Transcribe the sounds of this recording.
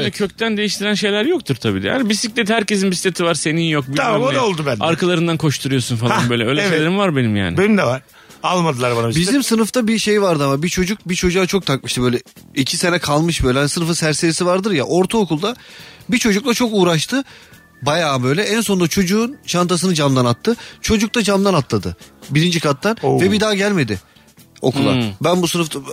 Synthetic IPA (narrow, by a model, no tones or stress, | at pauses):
nɛcʰøc̚t̪ʰænd̪e̞jiʃt̪ʰiɾænʃe̞jlʲæɾjok̚t̪ʰuɾt̪ʰabiːd̪ɛ̰ja̰nibisiclʲɛt̪hæɾce̞sinbisi̥t̪ʰet̪ʰivaɾse̞ninjok̚biaamod̪aolˠd̪ubænaɾkʰalˠaɾɯnd̪ankʰo̞ʃt̪ʰuɾujo̞sunfalaanbøjlʲɛøjlʲɛʃejlʲeɾimvaɾbe̞nimja̰ːnɪbenimd̪ɛvaɾ̥ | alˠmad̪ɯlˠaɾbanabisbizimsɯnɯft̪ʰabiʃe̞jvaɾd̪ɯamabit͡ʃʰo̞d͡ʒuk̚bit͡ʃʰo̞d͡ʒuat͡ʃʰok̚t̪ʰak̚mɯʃt̪ɯbø̞jlʲɛ | icʰise̞nɛkʰalˠmɯʃbøjlʲɛanisɯnɯfɯnsæɾseɾisivaɾd̪ɯɾjaʔo̞ɾt̪ʰaokulˠd̪abit͡ʃʰo̞d͡ʒuk̚lˠat͡ʃʰo̞kuːɾaʃt̪ʰɯ | bajaːbø̞jlʲɛænso̞nd̪at͡ʃʰo̞d͡ʒuːnʃant̪ʰas̬ɯnɯd͡ʒamd̪anat̪ʰːɯt͡ʃʰo̞d͡ʒuk̚t̪ad͡ʒamd̪anat̪ʰlˠad̪ɯbiɾind͡ʒikʰat̪ːanvɛbid̪aːɟælʲme̞d̪ɪ | o̞̰kʰulˠabænbusɯnɯft̪a